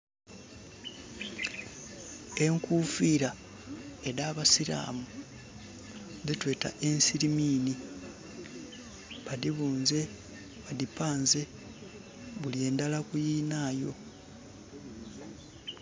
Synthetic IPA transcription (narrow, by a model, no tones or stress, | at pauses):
e̞ŋkuːfiːɾa | e̞ɾaːβasiɾa̰ːmu | zitwe̞ːta̰ʔe̞nsiɾimiːni | βadiβuːnze̞ | βadipaːnze̞ | βulie̞ːndalakujiːnaːjo̞̰